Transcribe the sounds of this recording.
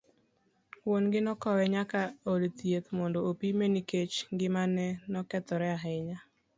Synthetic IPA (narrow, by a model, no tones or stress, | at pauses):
wonɡɪnɔkɔwɛɲakaolt̪jet̪mɔndoopimeniket͡ʃŋɡɪmanɛnɔkɛt̪ɔɾɛaɦɛɲa